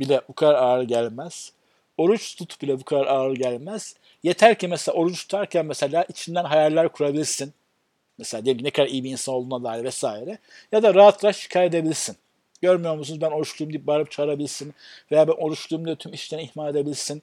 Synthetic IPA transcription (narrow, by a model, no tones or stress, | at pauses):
bilʲɛbukʰad̪aɾaːɾɯɟælʲmæz̥ | o̞ɾut͡ʃt̪ʰut̪ʰbilʲɛbukʰad̪aɾaːɾɯɟælʲmæz̥ | je̞t̪ʰæɾcʰænmeselʲa̰o̞ɾut͡ʃt̪ʰu̥t̪ʰaɾcʰænmeselʲaːʔit͡ʃʰind̪ænɦajaɾlʲæɾkʰuɾabilʲiɾsin | meselʲaːd̪ieminɛkʰad̪aɾijibiiːnsanolˠd̪unad̪aːiɾʲvɛsaːjiɾɛ | jad̪aɾaɦat̪ʰlˠaɾʃi̥cʰaːjɾe̞d̪e̞bilʲiɾsin | ɟ̥ø̞ɾmyjo̞ɾmusunuzbæno̞ɾuʃlˠujumd̪ip̚baɾɯp̚t͡ʃʰaːɾabilʲiɾsinve̞jaːbæno̞ɾut͡ʃlˠujumd̪at̪ʰymiʃlʲeɾiihmaːled̪e̞bilʲiɾsin